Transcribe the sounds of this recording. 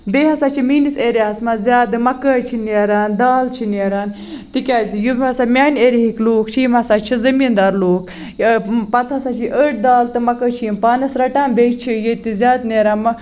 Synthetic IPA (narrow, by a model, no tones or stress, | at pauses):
beːɦɐsaːt͡ʃʰimiːniseɾʲaːsmɐzʲaːd̪ɨmɐkəːt͡ʃʰineːɾaːnd̪aːlt͡ʃʰineːɾaːn | t̪ikʲaːsijubɐsamʲaːnʲeɾiɦikloːkʰt͡ʃʰiːmɐsat͡ʃʰizɐmiːnd̪aːɾloːkʰ | pɐt̪ʰɐsat͡ʃʰiʔəʈ̚d̪aːlt̪ɨmɐkəːt͡ʃʰimpaːnɐsɾɐʈaːnbet͡ʃʰijet̪izʲaːd̪nʲeːɾaːnmɐ